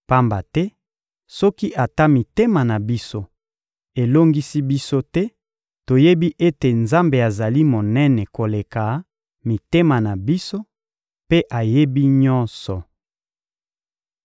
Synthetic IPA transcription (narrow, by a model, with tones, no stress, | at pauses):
pa˦mba˨tɛ˦ | sɔ˦ki˦ʔa˨ta˦mi˨te˦ma˨na˨bi˦so˦ | e˨lo˦ŋɡi˦si˦bi˦so˦tɛ˦ | to˨je˦bi˦ʔe˦te˨nza˦mbe˨a˨za˨li˦mo˨nɛ˦nɛ˨ko˨le˨ka˨ | mi˨te˦ma˨na˨bi˦so˦ | pe˦ʔa˨je˦bi˦ɲɔ˦nsɔ˨